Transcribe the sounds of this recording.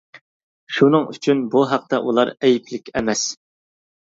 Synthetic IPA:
ʃunɨŋy̰t͡ʃʰynbuɦæq̚t̪ɛ̰ʔulˠɑɾɛjipʰlɪkʲɛmɛs

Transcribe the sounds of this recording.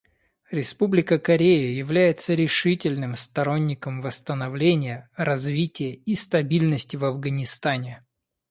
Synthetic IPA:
ɾʲɪspublʲɪkəkɐɾʲejəjɪvlʲæjɪt̪səɾʲɪʂɨtʲɪlʲnɨmst̪ɐɾo̞nʲːɪkəmvəst̪ənɐvlʲenʲɪjəɾɐzvʲitʲɪjəist̪ɐbʲilʲnəsʲtʲɪvɐvɡənʲɪst̪anʲɪ

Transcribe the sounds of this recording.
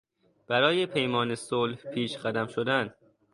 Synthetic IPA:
b̥æɾɒːjepʰe̞jmɒːne̞solhpʰiːʃɢæd̪æmʃod̪æn

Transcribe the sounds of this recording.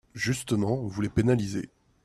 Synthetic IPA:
ʒyst̪əmɑ̃vulepenalizḛ

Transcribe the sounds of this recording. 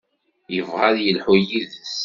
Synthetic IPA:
jəvʁaðjəlħʊjiðs

